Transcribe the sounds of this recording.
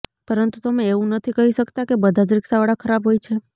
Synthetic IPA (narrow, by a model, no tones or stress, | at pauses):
pəɾənt̪ut̪əmẽeʋũnət̪ʰikəɦiʃəkt̪akebəd̪ʱad͡ʒɾɪksaʋəɽakʰəɾabɦojt͡ʃʰe